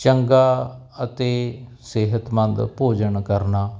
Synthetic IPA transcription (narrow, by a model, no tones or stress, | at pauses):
t͡ʃəŋɡaː | ət̪eː | sɪɦət̪mə̃nd̪poːd͡ʒəɳkəɾnaː